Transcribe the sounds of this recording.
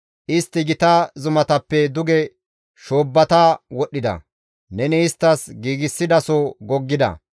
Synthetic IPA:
ʔɪst̪ːɪɡɪt̪ɐzʊmɐt̪ɐpːɛd̪ʊɡɛ | ʃoːbːɐt̪ɐwɔɗːɪd̪ɐ̰ | nɛnɛɪst̪ːɐsɡiːɡɪsːɪd̪ɐsoɡɔɡːɪd̪ɐ̰

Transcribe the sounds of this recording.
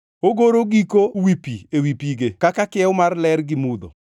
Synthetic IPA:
oɡoɾoɡikowipiewipiɡekakakɪɛʊmarlɛɾɡɪmud̪o̰

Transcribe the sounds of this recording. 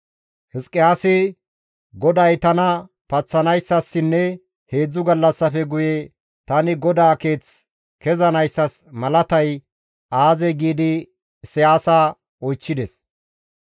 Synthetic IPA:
hɪskʼːɪaːsɪ | ɡɔd̪ɐjt̪ɐnɐ | pɐt͡sːɐnɐjsːɐsːɪnːɛ | he̞ːd͡zːʊɡɐlːɐsːɐfɛɡʊjɛ | t̪ɐnɪɡɔd̪aːke̞ːt͡s | kɛzɐnɐjsːɐsmɐlɐt̪ɐj | aːzɛɡiːd̪ɪ | sɪjaːsa | ɔjt͡ʃːɪd̪ɛs

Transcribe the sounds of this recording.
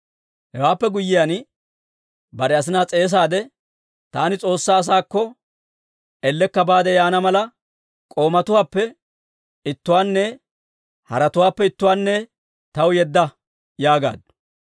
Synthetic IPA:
hɛwaːpːɛɡʊjːɪjan | bɐɾɛɐs̬ɪnaːt͡sʼe̞ːs̬aːd̪ɛ | t̪aːnɪt͡sʼo̞ːsːaːs̬aːkːɔ | ɛlːɛkːɐbaːd̪ɛjaːnɐmɐlɐ | kʼo̞ːmɐt̪ʊwaːpːɛ | ɪt̪ːʊwaːnːɛ | hɐ̰ɾɐt̪ʊwaːpːɛɪt̪ːʊwaːnːɛ | t̪ɐwjɛd̪ːɐ | jaːɡa̰ːd̪

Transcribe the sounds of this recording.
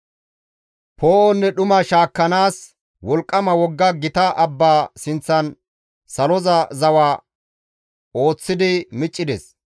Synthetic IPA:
poːʔɔnːɛɗʊmɐʃaːkːɐnaːs | wɔlkʼːɐmɐwɔɡːɐɡɪt̪ɐʔɐbːaːsɪnt͡sːɐn | sɐlɔzɐzɐwaː | o̞ːt͡sːɪd̪ɪmɪt͡ʃʼːɪd̪ɛs

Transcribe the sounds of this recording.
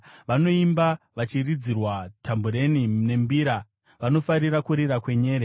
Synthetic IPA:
ʋano̞imba | ʋat͡ʃirid͡zirwatʰambuɾe̞nine̞mbiːɾa | ʋano̞faɾirakuɾiɾakwe̞ɲe̞ːɾe

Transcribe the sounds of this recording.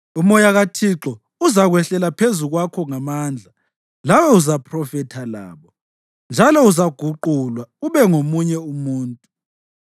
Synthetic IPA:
umɔjaɣatʰiǁɔ | uzaɣwɛɬɛlapʰezuɣwakʰɔŋamaːnd͡ɮʱa | lawɛuzapʰrɔfɛtʰala̰ːβɔ | nd͡ʒʱalɔuzaɡ̥ʱuǃulwauβɛŋomuɲɛumuːntʼu

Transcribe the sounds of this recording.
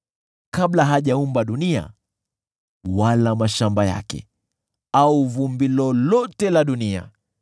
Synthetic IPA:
kaɓlaɦaʄaumbaɗunia̰ | walamaʃambaja̰kɛ̰ | auvumbilɔlɔtɛlaɗunia̰

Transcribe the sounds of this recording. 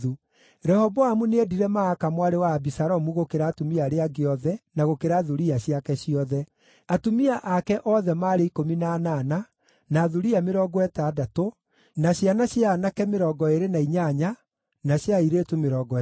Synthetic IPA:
u | ɾɛhɔbɔamuneediɾɛmaːkamwaɾewaːbisaɾɔmuɣokeɾaːtumiaɾeaɡeɔðɛnaɣokeɾaðuɾiaɕjakɛɕiɔðɛ | atumiaʔakɛʔɔðɛmaɾeikominanana | naːðuɾiameɾɔːɡɔɛtadato | naɕjanaɕjanakɛmeɾɔːɡɔeɾenaiɲaɲa | naɕjaiɾetumeɾɔɡɔ

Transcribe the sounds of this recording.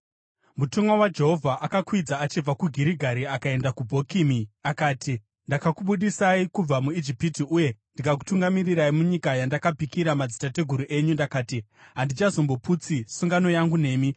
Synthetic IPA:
mutomwawad͡ʒe̞ɦo̞vʱaʔakakwid͡zaːt͡ʃib͡vakuɡʱiɾiɡʱaɾiakae̞ndakubʱo̞kimiakaːtʰi | ndakakuɓuɗisaikub͡vamuid͡ʒipitiuje̞ndikak̬u̥tuŋɡamiriɾaimuɲikajandakapikiɾamad͡zitate̞ɡʱuɾuʔe̞ɲundakaːtiɦandit͡ʃazo̞mbo̞put͡sisuŋɡano̞jaŋɡune̞ːmi

